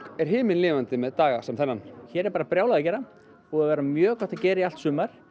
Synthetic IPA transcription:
ɛɾ̥ɦɪːmɪnlɪːvant̪ɪmɛðt̪aːɣasɛmθɛnːançɛːɾɛɾpaːɾapɾjaːwlaðacɛːɾa | ɔɣaðvɛːɾamjœːkɔt̪aðcɛːɾɪial̥t̪sʏːmaɾ̥

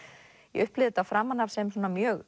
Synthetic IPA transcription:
jɛ̰ʏhplɪðɪt̪afɾamːanavsɛmsɔnamjœːɣ

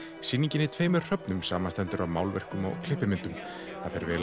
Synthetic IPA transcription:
sinĩɲcɪnɪt̪ʰveːjmʏɾ̥r̥œpnʏmsaːmanst̪ɛnt̪ʏɾaðmaːwlvɛ̰r̥kʏmɔ̰ɣkʰl̥ɪhpːɪmɪnt̪ʏm | θaðfɛɾvɛːl

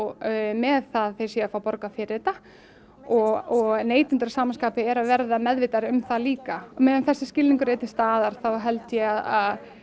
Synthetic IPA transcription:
mɛðθaðθejsjɛafaːwpɔɾkafɪɾɪt̪a | ɔɣɔɣneːjt̪ɪnt̪ɾasaːmanskaːpɪɛɾavɛɾðamɛðvɪt̪aɾʏmθaliːkamɛːðʏnθɛsːɪscɪlniŋkʏɾeːjt̪ɪ̥st̪aːðaɾ̥θawɦɛlt̪jɛɣaðað

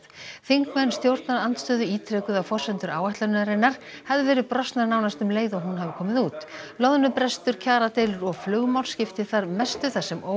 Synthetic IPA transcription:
θiŋkmɛnːst̪jowɾt̪naɾant̪st̪œːðʏiːt̪ʰɾɛːkʏðawfɔrsvɛnt̪ʏɾʔaːwaht̪lanaɾɪnːaɾ̥havðɪvɛːɾɪðpɾɔst̪naɾnaːwnast̪ʏmleːjðɔɣɦunɦavɪkʰɔːmɪðuːt̪lɔðnʏpɾɛst̪ʏɾ̥cʰaːɾat̪ejlʏɾɔɣflʏːɣmawl̥scɪft̪ɪθaɾmɛst̪ʏθasːɛmoː

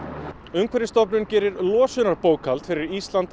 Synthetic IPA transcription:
ʏmkʰvɛɾɪst̪ɔpnʏncɛːɾɪɾlɔːsʏnaɾpoːwkʰalt̪fɪɾɪɾist̪lant̪

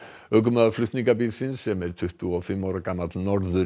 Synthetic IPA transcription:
œɡəmaflˠʏht̪nɪŋɡabiːðsɪnsɛmɛɾ̥t̪ʰʏht̪uɔfɪmːɔɾaɡamad̪nɔɾðʏ

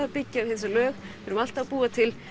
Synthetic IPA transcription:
apɪcːɪavhɪns̬ɪlœːxfɪɾʏmal̥t̪apuːat̪ʰɪl

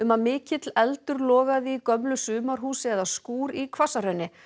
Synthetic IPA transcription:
ʏmaðmɪːcɪt̪lɛlt̪ʏɾlɔːɣaðikœmlʏsʏːmaɾ̥ɦuːsɪɛðaskuːɾikʰvasaɾœɥnɪ

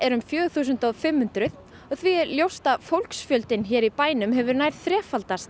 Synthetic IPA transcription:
ɛɾʏmfjœːθuːsʏnt̪ɔɣfɪmhʏnt̪ɾʏð | ɔɣθviɛɾljowst̪afowlksfjœlt̪ɪnçɛːɾipaːjnʏmɦɛvʏɾnaːjɾðθɾɛːfalt̪ast̪

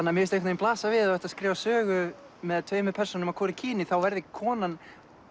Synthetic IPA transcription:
anːamɪɾɪst̪ejkfnɪmplaːsavɪðaɛht̪aðskɾɛːvasœːɣʏ | mɛðt̪ʰvœːɥmʏɾpʰɛrsɔnʏmakʰɔːɾɪcʰiːnɪθawvɛɾðɪkʰɔːnan

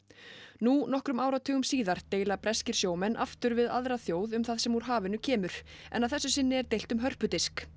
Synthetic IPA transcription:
nunɔhkɾʏmaːwɾat̪ʰʏːɣʏmsiːðaɾ̥t̪eːjlapɾɛscɪɾ̥sjoːwmɛnʔaft̪ʏɾvɪða̰ðɾaθjoːwðʏmθaðsɛmvuɾ̥ɦaːvɪnʏcʰɛːmʏɾ̥ɛ̰naðθɛsːʏsɪnːɪɛɾt̪ejl̥t̪ʏmɦœr̥pʏt̪ɪsk

